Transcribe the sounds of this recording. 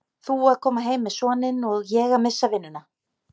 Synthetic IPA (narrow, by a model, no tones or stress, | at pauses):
θuaðkʰɔːmaɦeːjmːɛðsɔːnɪnɔɣjɛːɣamɪsːavɪnːɪna